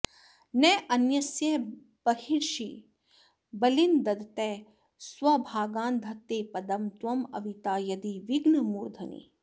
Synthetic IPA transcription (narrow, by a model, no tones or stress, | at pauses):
nɛːʔɐnjɐsjɐ | bɐɦiɾʃi | bɐlind̪ɐd̪t̪ɛː | swɐbʱaːɡaːnd̪ʱɐt̪ːeːpɐd̪ɐmt̪ʋɐmɐ̰ʋit̪aːjɐd̪iʋiɡnɐmuːɾd̪ʱɐnḭ